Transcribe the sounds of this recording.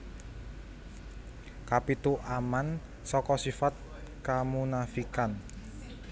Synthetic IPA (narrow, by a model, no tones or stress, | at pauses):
kapit̪uʔaman | sɔkɔsifat̪̚ | kamunafikan